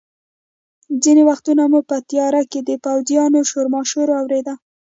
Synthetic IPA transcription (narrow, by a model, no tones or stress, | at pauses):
d͡zinewaxt̪unamupət̪ijɑɾaked̪əpawzjɑnoʃoɾmɑʃoɾoawɾed̪a